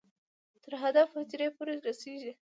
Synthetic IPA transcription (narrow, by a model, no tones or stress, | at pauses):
t̪əɾɦad̪afhat̪iɾepoɾeɾaseʒi